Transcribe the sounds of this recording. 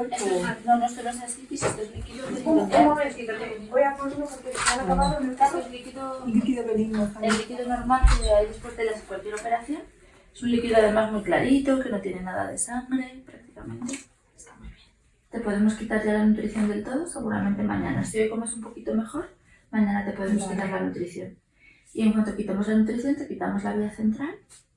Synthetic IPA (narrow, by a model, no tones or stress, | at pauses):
esanonosteɾos̬aeslikisest̪oezlikiðoβenot̪emoβekiðoleɡojaposmopoɾkeet̪anakaβaonet̪aelikiðolikiðoeninoelikiðonoɾmalkeajðespwozðeʎaseŋkwalkje̞ɾo̞pe̞ɾaθjo̞n | esunlikiðoað̞e̞mazmujklaɾit̪o̞ke̞no̞t̪je̞ne̞naða̰ðe̞̰saŋɡɾe̞pɾak̚t̪i̥kamẽ̞nt̪e | est̪amuβ̥jen | t̪e̞po̞ðe̞mo̞skit̪aɾʎalanut̪ɾiθjo̞nd̪e̞lt̪o̞ð̞o̞se̞ɣuɾa̰mẽ̞nt̪e̞ma̰ɲã̰na̰siojkomesumpo̞kit̪o̞me̞xo̞ɾ | mãɲãnat̪e̞po̞ð̞emo̞skit̪aɾlanut̪ɾiθjo̞n | ie̞ŋkwant̪o̞kit̪emo̞zlanut̪ɾiθjo̞nt̪e̞kit̪amo̞zlaβ̞iaθe̞nt̪ɾal